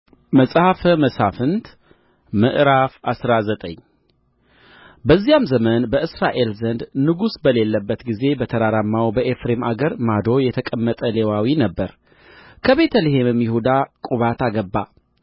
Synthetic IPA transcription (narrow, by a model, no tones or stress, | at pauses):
məsʼhafəməsafɨnt̪ | mɨʔɾafasɾazət̪ʼə̰ɲː | bəzːijamzəmənbəʔɨsɾaʔe̞lzənd̪nɨɡusbəle̞lːəbːət̪ɡize̞bət̪ʰəɾaɾamːawbəʔefɾe̞maɡəɾmad̪o̞jɛt̪ʰəkʼəmːət̪ʼəle̞wawinəbːəɾ | kʰəβe̞t̪ʰəlehemɨmjɪhud̪akʼuβat̪ʰaɡəbːa